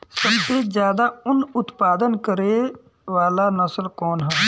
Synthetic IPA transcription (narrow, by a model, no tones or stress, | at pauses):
səmt̪ed͡ʒjaːd̪aʊnʊt̪paːd̪ənkəɾe | ʋaːlanəslkɔːnɦən